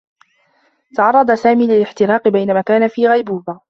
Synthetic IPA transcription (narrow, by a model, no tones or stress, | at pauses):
t̪ɑʕɑrˤːɑd̪ˤasaːmiːlɪlɪħt̪ɪɾɑːqɪbajnamaːkaːnafiːɣajbuːbaː